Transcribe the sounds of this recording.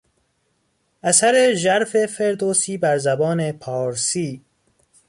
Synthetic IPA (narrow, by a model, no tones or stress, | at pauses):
ʔæsæɾeʒæɾfe̞feɾd̪oːsiːbæɾzæbɒːnepʰɒːɾsiː